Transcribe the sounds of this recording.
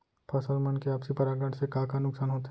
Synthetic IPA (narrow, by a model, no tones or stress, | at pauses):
pʰasəlmɐnkeapsipɐɾaːɡəɽsekãkanʊksaːnɦoːt̪